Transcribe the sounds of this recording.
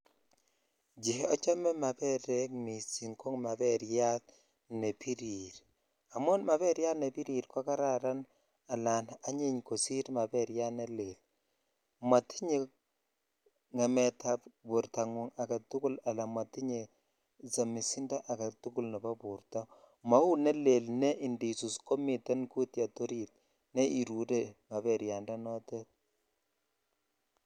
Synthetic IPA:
d͡ʒi˨hɔ˦t͡ʃɔ˦mɛ˦ma˨pɛ˦ɾɛ˦k̚mi˨si˨ŋko˦ŋma˨bɛ˦ɾja˦t̚ | ne˨pi˦ɾi˨ɾ | a˨mʊ˦nma˨βɛ˦ɾja˦tne˨pi˦ɾi˨ɾkɔ˦ka˦ɾa˦ɾa˦n | a˨la˨na˦ɲi˦ɲko˨si˦ɾma˨bɛ˦ɾja˦ne˦le˨l | mwa˨ti̥˦ɲe˨ | ŋɛ˨mɛ˨tapbu˨ɾta˨ŋu˨ŋa˨ka˨tu˦ku˦la˨la˨ma˨ti˦ɲe˨ | sa˨mi˨si˦nda˦ʔa˨ɡa˨tu˦ku˦lnɛ˨ba˦bu˨ɾta˦ | ma˦u˦ne˦le˨lnɛ˦ʔi˨ndi˨su˨sko˦mi˨tɛ˦nku˦tja˨to˦ɾit̚ | ne˦ʔi˨ɾu˨de˦ma˨βɛ˨ɾja˨ndɔ˦nɔ˦te˦t̚

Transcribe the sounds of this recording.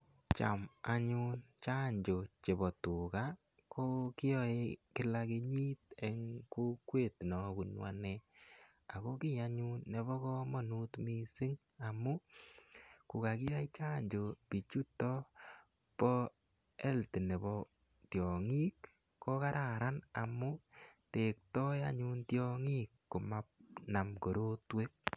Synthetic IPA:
t͡ʃa̰˨ma˨ɲu˦nt͡ʃa˦ɲd͡ʒo˨t͡ʃe˨βɔ˨tu˨ka˦ | kʰo˦kɪ˦jɔ˨e˧˦kɪ˦la˦ke˧ɲi˦te˨ŋku˦kwe˦˨tnɔ˨ku˨nwa̰˦nɛ˦ | a˨ko˦kɪ˦ja˧ɲu˦nːe˨βɔ˦kɔ˦mɔ˨nu˦tmi˦sɪ˦ŋ | a˨mu˦ | ku˨ka˨ki˦a˦t͡ʃa˦ɲd͡ʒo˨pi˨t͡ʃu˦tɔ˦ | pɔ˦ | ɛ˦lti˨ne˨bɔ˦ | tjɔ˨ŋi˦k | kɔ˦ka˦ɾʔa˨ɾa˦na˨mʊ˦te˨k̚tɔ˦ja̰˦ɲu˦ntjɔ˦ŋi˦kːʊ˨ma˦p̚na˨mko˨ɾo˦twe˦k̚

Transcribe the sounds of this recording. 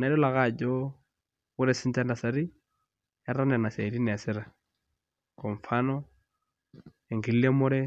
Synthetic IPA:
na˨˦dɔ˦la˨ɣa˦˨d͡ʒɔ | ɣʊ˦ɾɛ˦sɪ˦nta˦nda˨sa˦ɾi˦ | a˦ɾa˦n˨a˨na˨se˨ɾi˦nɛ˨a˨sɪ˦ɾa˨ | kɔ˨ɱ̩˨fa˦nɔ | e˨ŋɡi˨li˦le˦mʊ˦ɾɛ˦

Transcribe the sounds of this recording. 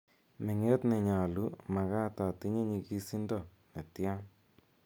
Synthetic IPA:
mɪ˨ŋe˦t̪nɪ˨ɲa˨lu˦ma˨ɣa˦ta˨t̪i˦ɲe˦ɲi˧ki˦si˦ndɔ˨ | ne˨tja˦

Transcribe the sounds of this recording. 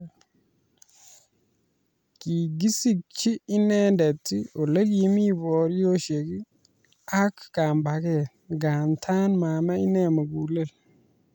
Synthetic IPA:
ki˨ɡi˦si˦k̚t͡ʃiː˦nɛ˦nde˨tːi˦o˨le˦k̬i˨mi˦bɔ˨ɾjo˦ʃe˨ki˦ | a˦kːa˨mba˨kɛ˨ | ɡa˨ntʰaː˦nma˨ma˦i˦nɛ˨mə˨ɡu˨le˦˨l

